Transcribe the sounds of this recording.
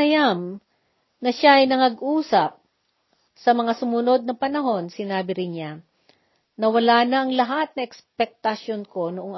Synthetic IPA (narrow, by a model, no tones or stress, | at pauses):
ɐjam | nɐʃaʔɐjnɐŋɐɡʔuːsɐp̚ | sɐmɐŋasʊmʊno̞d̪̚nɐpɐnɐɦo̞nsɪnaːbɪɾɪnɲa | nɐwɐlaːnɐʔɐŋlɐɦat̪̚nɐʔɛkspɛk̚t̪ɐʃonko̞nʊʔoŋ